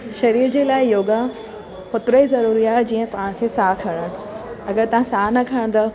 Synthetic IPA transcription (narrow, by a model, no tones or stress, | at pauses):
ʃɐɾiːɾd͡ʑeːlaːɪjoːɡa | xʊt̪ɾəizɐɾuːɾiaːɦɛd͡ʑĩːə̃pɐʋə̃ɽ̃kʰeːsaːkʰɐɽəɽ̃ | ɐɡəɾt̪ɐʋ̤ãsaːnɐkʰɐɽ̃nd̪a